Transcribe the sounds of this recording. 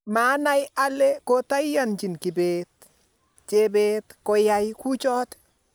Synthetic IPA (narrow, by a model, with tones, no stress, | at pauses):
maː˦na˦ja˦le˦kota˦jjant͡ʃi˨nki˨bet | t͡ʃebeːtkɔ˨jajku˦t͡ʃɔː˦t